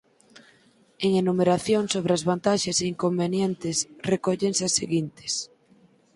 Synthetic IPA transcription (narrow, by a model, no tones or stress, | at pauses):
eŋenumeɾaθjoŋsoβ̞ɾɪazβant̪aʃɐseiŋkombenjent̪ɪsrekoʎeŋsaseɣint̪ɪ̥s